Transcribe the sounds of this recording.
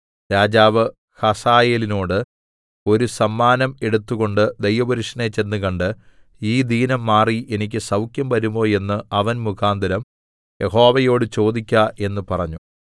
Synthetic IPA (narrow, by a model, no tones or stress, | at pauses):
ɾaːd͡ʑaːʋɨ | hɐsaːjeːlino̞ːɽɨ | o̞ɾusɐmːaːnɐme̞ɽut̪ːuɣo̞ɳɖɨd̪ejʋɐbɐɾuʂɐneːt͡ɕːe̞nːɨkɐɳɖɨ | iːd̪iːnɐmːaːriʔe̞nik̬ʲːɨsɐwkjɐmʋɐɾumbo̞ːje̞nːɨɐʋɐnmukʰaːnd̪ʱɐɾɐm | je̞ɦo̞ːʋɐjo̞ːɽɨt͡ɕo̞ːd̪ikʲːɐʔe̞nːɨpɐrɐɲːu